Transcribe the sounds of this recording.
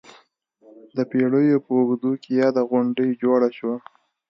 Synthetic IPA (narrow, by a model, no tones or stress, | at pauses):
d̪əpeɽəjopəuɡd̪ukejɑd̪aɣʊɳɖəjd͡ʒoɽaʃwa